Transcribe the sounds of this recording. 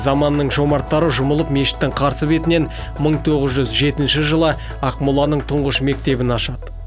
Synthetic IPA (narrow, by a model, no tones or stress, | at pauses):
zɑmɑnːəɴʒo̞mɑɾt̪ːɑɾəʒʊməlˠəpme̞ʃɪ̥t̪ːɪŋqʰɑɾsəbe̞t̪ɪne̞n | məɴt̪ʰo̞ʁəzʒʏzʒe̞t̪ɪnʃɪʒəlˠə | ɑqmulˠɑnəɴt̪ʰʊɴʁəʃme̞k̚t̪e̞bɪnɑʃɑd̪